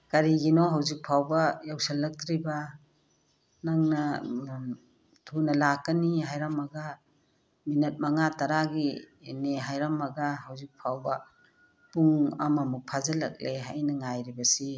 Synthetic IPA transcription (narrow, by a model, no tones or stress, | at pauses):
kɐɾiɡinoɦawzik̚pʰawbɐjawsɐlːɐk̚tɾibɐ | naŋnɐ | tʰunɐlakːɐniɦajɾamɐɡɐ | minɐt̚maŋataɾaɡi | neɦajɾamɐɡɐhawzik̚pʰawbɐ | puŋɐ̰mɐmuk̚pʰazɐlɐk̚leɦa̰jnɐŋajɾibɐsi